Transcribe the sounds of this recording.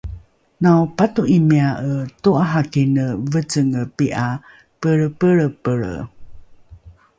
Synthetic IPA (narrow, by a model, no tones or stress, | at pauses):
nawpatuʔimiaʔətuaɦakinəvət͡səŋəpiʔa | pəɻəpəɭəpəɭə̰